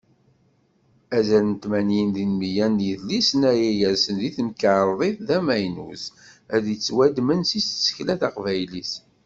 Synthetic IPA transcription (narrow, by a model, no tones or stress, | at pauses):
æzælənt̪mænjənðinmijænːjiðlisənæjijæɾsənðiθəmkəɾˤðˤiθðæmæjnṵsæðjət͡sːwæd̪mənsissːə̥çlæθɑqvæjlis